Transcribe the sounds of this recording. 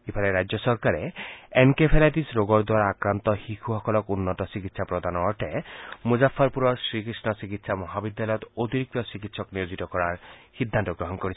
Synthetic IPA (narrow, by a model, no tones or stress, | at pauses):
ipʰaɾeɾajd͡ʒɔsɔɾkaɾeenkepʰelaʈisɾoɡɔɾd̪waɾaakɾant̪ɔhikʰuhɔkɔlɔkunːɔtɔsikit̪sʰapɾɔd̪ʱanɔːʈʰemud͡ʒafːɔɾpuɾɔɾsɾikɾisnɔsikit̪samɔɦabid̪jalɔjɔt̪ot̪iɾik̚t̪ɔsikit̪sɔknijod͡ʒit̪ɔkɔɾaɾhid̪ʱːant̪ɔɡɾɔɦɔnkɔɾit͡ʃʰ